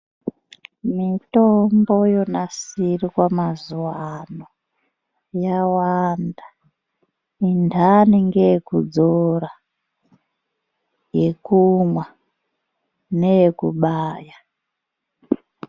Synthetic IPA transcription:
mitombo̞jo̞nasirikwamazuwano | jawanda | indʱaniŋɡejekud͡zora | jekumwa | nejekuɓaːja

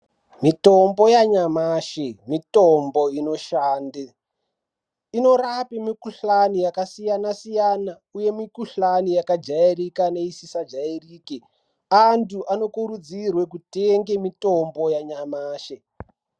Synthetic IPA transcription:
mito̞mbo̞jaɲamaːʃemitombo̞ino̞ʃaːnde | ino̞rapimikuɬanijakasijanasijana | uje̞mikuɬanijakad͡ʒairikane̞isisad͡ʒairiːke | antʰuʔano̞kuɾud͡zirwe̞kuteŋɡemito̞mbo̞jaɲamaːʃe

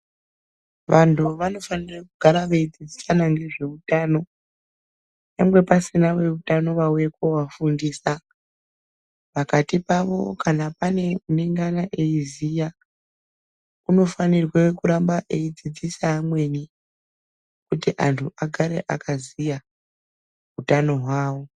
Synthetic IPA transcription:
ʋantʰuʋano̞fanirekuɡ̥ʱaɾaʋe̞id͡zid͡zisanaŋɡe̞ʐe̞utaːno̞ | namwe̞pasinawe̞utano̞ʋauje̞kowafundiːsa | pakatipaʋo̞̰kanapane̞uneŋɡanaʔe̞izija | uno̞fanirwekuɾambaʔeid͡zid͡zisaːmwe̞ni | kutiʔantʰuʔaɡʱaɾe̞̰ʔakazija | ɦutano̞ɦwaːwo̞

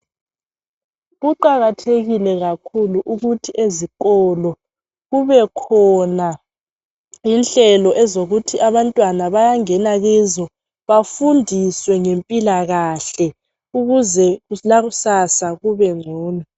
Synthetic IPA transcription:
ɣuǃaɣatʰeɣilɛɣakʰuluʔuɣutʰiʔezikɔlɔ | ɣuβɛkʰɔna | jinɬɛlɔʔɛzoɣutʰiʔaβantʼwanaβajaŋɛnaɣɛzɔ | βafundʱiswɛŋempʼilaɣaɬɛ | uɣuzɛɣulaɣusasaɣuβɛŋ͡ǀʱɔːna

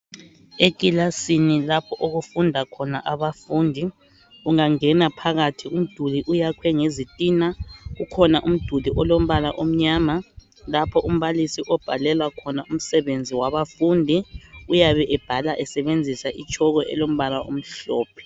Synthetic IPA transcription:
ekʼilasinilapʰɔʔoɣufundʱakʰɔnaʔaβafuːndʱi | uŋaŋɛnapʰaɣatʰium̩d̥ʱuliʔujakʰwɛŋezitʼiːnaɣukʰɔnaʔum̩d̥ʱuliʔɔlom̩βalaʔom̩ɲaːma | lapʰɔʔum̩βalisiʔɔb̥ʱa̰lɛlwakʰɔnaum̩sɛβend͡zʱiwaβafundʱiujaβɛʔɛb̥ʱalaʔɛsɛβend͡zʱisaʔit͡ʃʼʰɔɣɔʔɛ̰lom̩βalao̰m̩ɬɔːpʰɛ̥

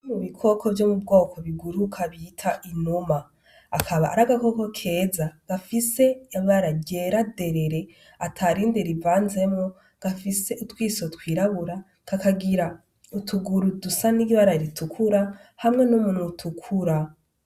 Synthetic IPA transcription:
muβikʰo̞ko̞vjomubɡo̞ːkʰo̞βiɡuɾukʰaβitʰaʔinomaː | kʰaβa̰ʔa̰ɾaɡako̞ko̞kʰe̞ːzaɡ̥afise̞aaɾaɟe̞ːɾade̞ɾe̞ɾe̞ | atʰaɾindeɾivaːnze̞mŋo | ɡ̥afise̞ʔutwiːso̞twiːɾaβuɾa | kakaɡiɾa | utʰuɡuɾudusaniɡiβaɾaɾitukʰuɾahamŋe̞nomun̥utʰukʰuɾa

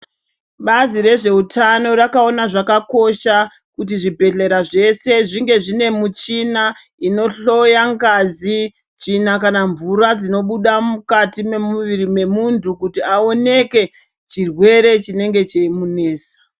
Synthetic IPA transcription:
ɓaziɾe̞ʐe̞utʰano̞ɾakao̞naʐakako̞ʃa | kut̬iʐibʱe̞ɬe̞ɾaʐe̞se̞ʐiŋɡe̞ʐine̞mut͡ʃinaino̞ɬo̞jaŋɡazi | t͡ʃinakanaɱvuɾad͡zino̞ɓuɗamukatime̞muʋiɾime̞muntʰukutiao̞ne̞ke̞ | t͡ʃirwe̞ɾe̞t͡ʃine̞ŋɡe̞t͡ʃeimune̞ːsḁ

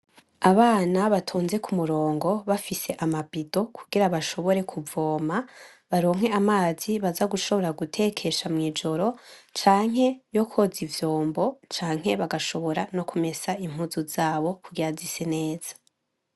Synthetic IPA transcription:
aβaːnaβatʰuːnze̞kumuɾo̞ːŋɡo̞βafise̞ʔamabido̞kʰuɡiɾaβaʃo̞βo̞ɾe̞kʰuvo̞ːma | βaɾo̞ːŋ̥ɦe̞amaːziβazaɡuʃo̞βo̞ɾaɡutʰe̞kʰe̞ʃamŋiːd͡ʒo̞ɾo̞t͡ʃaːŋ̥ɦe̞jo̞kʰo̞zivjoːmbo̞t͡ʃaːŋ̥ɦe̞βaɡaʃo̞βo̞ɾano̞kʰume̞saim̥huzuzaːβo̞kuɡiɾazisene̞ːz̥ḁ

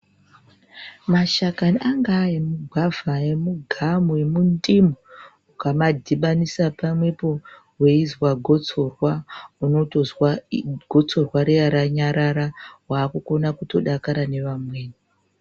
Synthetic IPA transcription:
maʃakaniaŋɡaemuɡʱwavʱaemuɡʱamuemundimu | ukamadʱiɓanisapamwe̞po̞ | we̞izwaɡʱot͡sorwauno̞tozwaɡʱo̞t͡so̞rwaɾeaɾaɲaɾaɾawaːkuko̞nakuto̞ɗakaɾane̞ʋamwe̞ːni

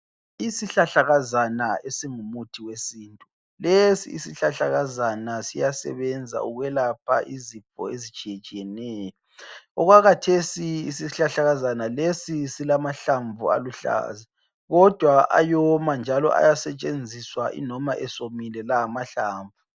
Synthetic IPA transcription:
isiɬaɬaɣazanaesiŋumutʰiwesiːntʼu | lesḭːsiɬaɬaɣazanasijasɛ̰βɛnd͡zʱa̰uɣwɛlapʰa̰ʔizifɔ̰ezit͡ʃʼijet͡ʃʼijɛnɛːjɔ | ɔɣwaɣatʰesiisiɬaɬaɣazanalesisilamaɬaɱvua̰luɬa̰ːzi | ɣɔd̥ʱwaʔa̰jɔmand͡ʒʱalɔ̰ʔa̰jasɛt͡ʃʼend͡zʱiswaʔḭnɔmaʔɛsomilɛlaamaɬa̰ːɱvu

